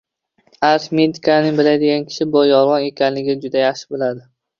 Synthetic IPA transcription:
aɾt̪med̪ɪkʰanɪŋbɪlad̪ɪɡʲankʲʰɪ̥ʃɪbojɒɾˠʁɒne̞kʲʰanlɪɡʲɪd͡ʒʊd̪ajaχʃɪ̥bɪlad̪ɪ

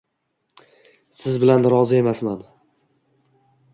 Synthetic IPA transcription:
sɪzbɪlanɾɒzɪe̞masman

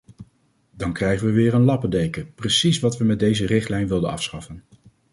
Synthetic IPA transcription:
dɑŋkrɛjχənʋəʋɪːɹənlɑpədejkəprəsisʋɑtʋəmɛd̚dejzərɪχtlɛjnʋɪlˠdənɑ̰fsχɑfən

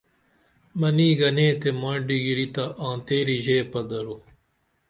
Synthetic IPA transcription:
mɐniːɡɐnẽːt̪emãːɖiɡiɾit̪ɐʔãːt̪eːɾiʑeːpɐd̪ɐɾo

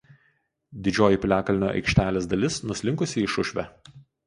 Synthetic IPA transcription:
d̪ʲɪd͡ʒʲoːjɪˑpʲlʲæːkɐlʲɪnʲoːʔɐ̰ɪkʃʲt̪ʲæːlʲeːsd̪ɐlʲɪsnʊsʲlʲɪŋˑkʊsʲɪɪʃʊʃʲʋʲɛ

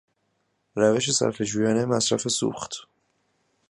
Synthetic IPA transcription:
ɾæve̞ʃ̬e̞sæ̰ɾfed͡ʒuːjɒːnemæsɾæfe̞sṵːxt̪

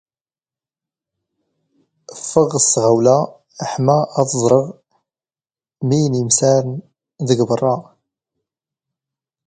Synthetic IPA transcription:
əfːəʁəsʁawlæ | ħmæːðəzˤɾˤəʁ | mijnimsaɾn | ðəɡbərˤːɑ

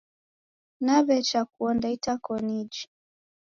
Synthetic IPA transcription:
naβɛt͡ʃak̚uɔndaitakɔnid͡ʒi̥

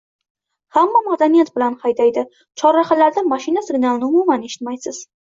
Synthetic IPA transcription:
hamːamad̪anijat̪bɪlanhajd̪ajd̪ɪ | t͡ʃʰɒɾːaχalaɾd̪amaʃɪnasɪɡnalˠnɪʊmumaneʃɪ̥t̪majsɪz̥

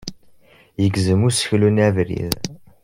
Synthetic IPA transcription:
jəɡzəmusə̥çlunævɾḭð

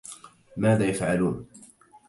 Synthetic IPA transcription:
maːðaːjafʕaluːn

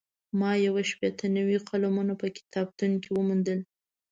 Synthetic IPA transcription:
mɑjawaʃpet̪ʰanawiqʰalamunapəkɪ̥t̪ɑb̚t̪unkewəmund̪əl

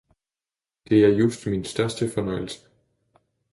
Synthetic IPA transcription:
d̥e̝æɐjusd̥minsd̥ɶɐsd̥əfɒ̽nɒ̽ɪl̩sə̥

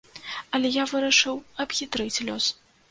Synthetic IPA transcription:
ɐlʲɛjavɨɾɐʂɨwɐbɣʲit̪ɾɨt͡sʲlʲɔs

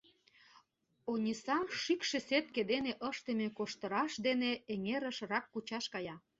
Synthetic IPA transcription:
onʲisɑmʃykʃeset̪̚ked̪eneʔəʃt̪emekoʃt̪ə̆ɾɑʃd̪eneeŋeɾə̆ʃrɑkːut͡ɕɑʃkɑjɑ

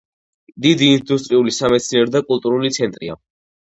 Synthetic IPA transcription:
d̪id̪iːnd̪ust̪ʼɾiulisamɛt̪sʰniɛɾɔd̪akʼulˠt̪ʼuɾulit̪sʰɛnt̪ʼɾia̰

